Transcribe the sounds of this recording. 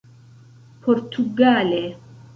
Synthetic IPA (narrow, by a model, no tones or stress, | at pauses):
pʰɔɾt̪ʰuɡale